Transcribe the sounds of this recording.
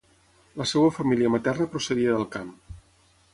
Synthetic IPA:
ləsewəfəmiliəmət̪ɛrnəpɾusəðiəðəlˠkam

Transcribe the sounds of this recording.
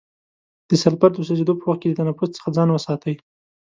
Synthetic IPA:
d̪̥əsalpaɾd̪osazed̪opəwaxt̪ked̪ət̪anafʊzt͡sə̥xad͡zɑnwəsɑt̪ʰəj

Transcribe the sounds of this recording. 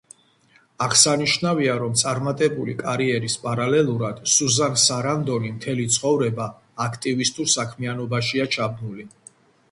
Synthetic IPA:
aʁsaniʃnaviaɾɔmt̪sʼaɾmat̪ʼɛbulḭkʼaɾiɛɾispʼaɾalɛlˠuɾad̪̥suzansaɾand̪ɔnimt̪ʰɛlit̪sʰχʼɔvɾɛbaː | kʰt̪ʼivist̪ʼuɾsakʰmianɔbaʃiat͡ʃʰab̚nuli

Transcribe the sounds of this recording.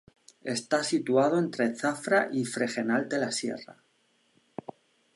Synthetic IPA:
e̞st̪asit̪uað̞oe̞nt̪ɾe̞θafɾaʔifɾe̞xe̞nalt̪e̞lasje̞̰ra̰

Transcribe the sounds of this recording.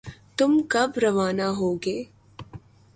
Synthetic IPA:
t̪ʊmkɐbɾɐʋaːnaɦoːɡeː

